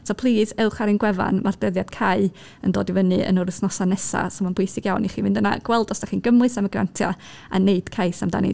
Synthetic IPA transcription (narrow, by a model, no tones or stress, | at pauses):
sɔpʰlˠiːsɛlˠχaɾɨnɡwɛva̰nmard̥əðjad̥kʰaɨ | əndo̰ːdivənɨə̰nʊɾəθnɔsanɛsa̰sɔmanbʊɨsɪɡjawniχiːmɪndəna̰ɡ̥wɛlˠdɔsd̥aχiːnɡəmlɨsaməɡra̰ntʰjɔ̰ | a̰neɨd̥kʰaɨsamda̰nḭ